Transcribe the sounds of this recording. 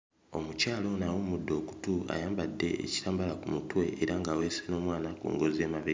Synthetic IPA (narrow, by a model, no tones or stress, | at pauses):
o̞mucaːlo̞nawomudːo̞ːku̥tua̰jaːmbadːe̞̰ʔḛci̥taːmbalakumutwe̞ːɾaŋɡaweseno̞ːmwaːnakṵːŋɡo̞zeːmaβe